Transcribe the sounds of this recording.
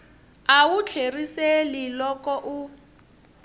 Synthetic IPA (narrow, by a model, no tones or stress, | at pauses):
awut͡ɬʰeriselilɔkɔʔu